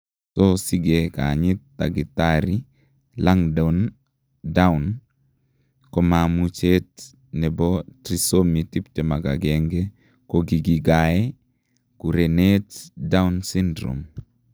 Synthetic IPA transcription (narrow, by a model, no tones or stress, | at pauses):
sɔsiɡeka̰ɲɪtːa̰ɡɪtaɾi | laŋdan | daun | kɔmamut͡ʃet | nɛbɔtɾisomitip̚tɛmaɡa̰ɡɛŋɡɛ | kɔɡiɡiɡaɛ | kuɾɛnɛtdaunsindɾo̰m